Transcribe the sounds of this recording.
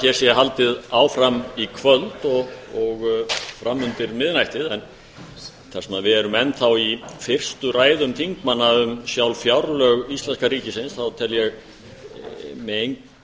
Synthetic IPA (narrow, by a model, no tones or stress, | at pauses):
jɛɾ̥sjɛɦalt̪ɪðaːwfɾamikʰvœlt̪ɔɣɔɣfɾamːʏnt̪ɪɾmɪðnajht̪ɪðɛn | θɛ̥sɛmaðvɪðɛɾʏmɛnːθawifɪr̥st̪ʏraːjðʏmt̪ʰiŋkmanːaʏmsjawlfjawɾlœɣist̪lɛnskariːcɪsɪnsθawt̪ʰɛljɛɣ | mɛejŋk